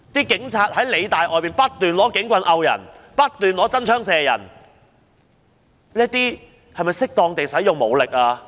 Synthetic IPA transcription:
t̪iː˥kɪ˨˥ŋt͡sʰaː˧t̚hɐ˨˥jle˨˧jt̪aː˨˩jʔɔː˨jmiː˨npɐ˥t̚t̪yː˨nlɔː˨˥kɪ˨˥ŋkʷɐ˧nʔɐ˧wjɐ̰˨˩n | pɐ˥t̚t̪yː˨nlɔː˨˥t͡sɐ˥nt͡ʃʰœː˥ŋsɛː˧jɐ̰˨˩n | niː˦˥t̪̚iː˥ | hɐ˨jmɐ˨˩jsɪ˥k̚t̪ɔː˧ŋt̪e˨jsɐ˨˥jʊ˨ŋmo˨˩wlɪ˨k̚aː˧

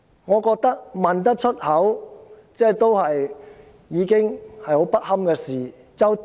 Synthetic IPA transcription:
ŋɔː˨˧kɔː˧k̚t̪ɐ˥k̚mɐ˨nt̪ɐ˥k̚t͡ʃʰɵ˥t̚hɐ˨˥w | t͡sɛː˥˩t̪o˥whɐ˨j | jiː˨˧˥kɪ˥ŋhɐ˨jho˨˥wpɐ˥t̚hɐ˥mkɛː˧siː˨˩ | t͡sɐ˨˧w

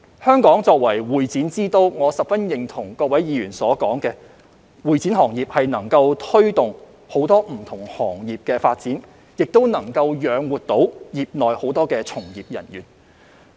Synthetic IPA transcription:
hœː˥ŋkɔː˨˥ŋt͡sɔː˧k̚wɐ˨˩jwuː˨˩jt͡siː˨˥nt͡siː˥t̪o˧wŋɔː˨˧sɐ˨p̚fɐ˥njɪ˨˩ŋt̪ʰʊ˨˩ŋkɔː˧k̚wɐ˨˥jjiː˨˧ɥyː˨˩nsɔː˨˥kɔː˨˥ŋkɛː˧ | wuː˨˩jt͡siː˨˥nhɔː˨˩ŋjiː˨p̚hɐ˨jnɐ˨˩ŋkɐ˧wt̪ʰɵ˥ɥt̪ʊ˨˩ŋ | ho˨˥wt̪ɔː˥m̩˨˩t̪ʰʊ˨˩ŋhɔː˨˩ŋjiː˨p̚kɛː˧faː˧t̚t͡siː˨˥n | jɪ˨k̚t̪o˥wnɐ˨˩ŋkɐ˧wjœː˨˧ŋwuː˨˩t̚t̪o˨˥wjiː˨p̚nɔː˨jho˨˥wt̪ɔː˥kɛː˧t͡sʰʊ˨˩ŋjiː˨˩p̚jɐ̰˨˩njy̰ː˨˩n

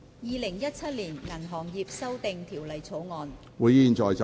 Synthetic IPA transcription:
jiː˨˧lɪ˨˩ŋjɐ˥t̚t͡sʰɐ˥t̚liː˨˩nŋɐ˨˩nɦɔː˨˩ŋjiː˨˧p̚sɐ˥wt̪ɪ˨˧ŋt̪ʰiː˨˩wlɐ˨jt͡sʰo˨˥wŋɔː˨˧n | wuː˨˧jiː˨˧nt͡ʃɔː˨˩jt͡sɐ˨

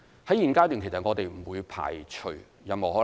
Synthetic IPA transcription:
hɐ˨˥jiː˨˩nkaː˥t̪yː˨nkʰe˨˩sɐ˨tŋɔː˨˧t̪e˨jm̩˨˩wuː˨˧jpʰa̰ː˨˩jt͡ʃʰɵ˨˩ | jɐ˨˧mo˨˩hɔː˨˥

